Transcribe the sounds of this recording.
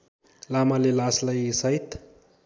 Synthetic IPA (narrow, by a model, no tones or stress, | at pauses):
lamalelaslajsajt̪